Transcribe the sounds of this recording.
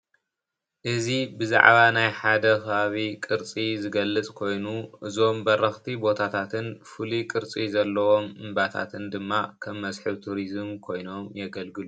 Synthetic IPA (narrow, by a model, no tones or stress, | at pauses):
ʔɨzibɨza̰ʕβanajħad̪ɐkʰɐβaβikʼɨɾt͡sʼizɨɡɐlːɨt͡sʼkʰo̞jnuʔɨzo̞mbɐrɐxt̪ʰibo̞t̪ʰat̪ʰat̪ʰɨnfɨlikʼɨɾt͡sʼizɐlːɐwo̞mɨmbat̪ʰa̰t̪ʰɨnd̪ɨmːakʰɐmːɐsħɨβt̪ʰuɾizmkʰo̞jno̞mjɛɡɐlɡɨlu